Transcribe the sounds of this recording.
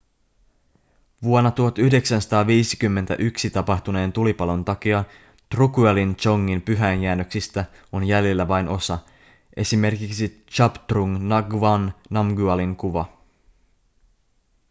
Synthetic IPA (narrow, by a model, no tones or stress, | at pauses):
ʋuonːɑt̪uɦɑt̪yhde̞ksænsɑ̥t̪ɑːʋiːsi̥kymːent̪æ̰ʔyksit̪ɑpɑht̪une̞ːnt̪ulipɑlo̞nt̪ɑk̟iɑ | t̪rukuelint͡ʃo̞ŋːimpyɦænjæːnːøksist̪æ | o̞njæljelːæʋɑjnʔo̞sɑ | ʔe̞sime̞rkiksi | t͡ʃɑpt̪ruŋnɑɡʋɑnːɑmɡyɑliŋkuʋɑ